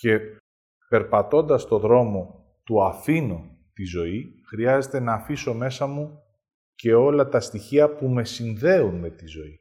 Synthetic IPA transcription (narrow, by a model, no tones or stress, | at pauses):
ce̞ | pe̞ɾpɐt̪o̞nd̪ɐst̪o̞ðɾo̞mo̞ | t̪uɐfino | t̪izo̞i | xɾiɐze̞t̪e̞nɐːfiso̞me̞sɐmu | ce̞o̞lɐt̪ɐst̪içiɐpume̞sinðe̞unme̞t̪izo̞i